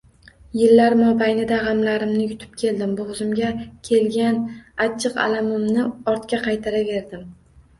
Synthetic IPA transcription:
jɪlːaɾmɒbajnɪd̪aʁɑmlaɾɪmnɪjʊt̪ʰɪ̥p̚kʲʰe̞ld̪ɪmbʊʁzɪmɡʲakʲʰe̞lɡʲanat͡ʃʰːɨqa̰lamɪmnɪɒɾt̪kʲaqʰɑjt̪ʰaɾave̞ɾd̪ɪm

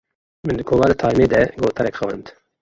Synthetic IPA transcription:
mɪnd̪ɨkʰoːlɑːd̪ət̪ʰɑːjmeːd̪ɛɡoːt̪ʰɑɾɛkxɛwɛnt̪

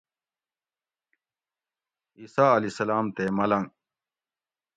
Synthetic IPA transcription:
iːsaːɐlisɐlaːmt̪eːmɐlɐŋ

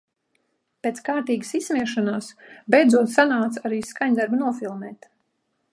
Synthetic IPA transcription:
pʲɛt̪skaːɾt̪iːɡəsismiɛʃanaːsbɛjd̪zuɔt̪sanaːt̪saɾiːskaɲd̪aɾbnuɔfilˠmɛːt̪

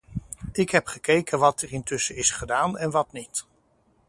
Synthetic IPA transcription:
ɪkɦɛpχəkejkənʋɑtərɪntɵsəɪsχədaːnɛnʋɑtnit

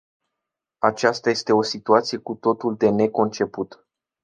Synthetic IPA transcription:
at͡ʃast̪aje̞st̪e̞o̞sit̪uat̪sije̞kut̪o̞t̪uld̪e̞ne̞ko̞nt͡ʃe̞put̪

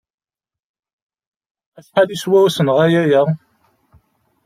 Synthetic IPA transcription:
æʃħaliswæwæsənʁæjæjæ

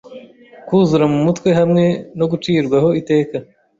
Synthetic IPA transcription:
kuːzɾɐmːut̪ʰkɐɦɐmnenoɡuʈ͡ʂiːɾɡɐɦoit̪eːkɐ

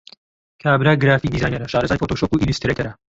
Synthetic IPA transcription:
kʰaːbɾaɡɾaːfid̪izaːjneɾɐʃaːɾɐzaːjfot̪oːʃoːkuːʔilist̪ɾɐkt̪ʰɐɾɐ

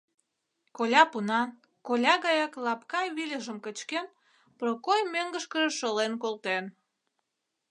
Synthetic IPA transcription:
kolʲɑpunɑn | kolʲɑɣɑjɑklɑpkɑjβilʲəʒəmkət͡ɕken | prokojmøŋɡə̆ʃkəʒəʃolenkolt̪en

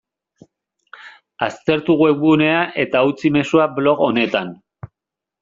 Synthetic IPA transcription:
ast̪e̞ɾt̪uɣue̞βune̞aʔe̞t̪aut͡sime̞suablo̞ɣo̞ne̞t̪an

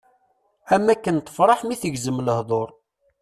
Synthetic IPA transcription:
æmːækːənt̪ə̥fɾˤɑħmiθəɡzəmːləhðˤoɾˤ

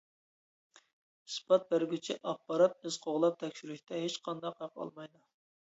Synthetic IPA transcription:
spʰɑt̪̚bæɾɡʲyt͡ʃʰiʔɑχ̚bɑɾɑp̚ɪzqʰoʁlˠɑp̚t̪ʰɛkʲʃyɾyʃʲt̪ʰɛɦet͡ʃqʰɑnd̪ɑqɑqɑ̰lˠmɑjd̪ɑ

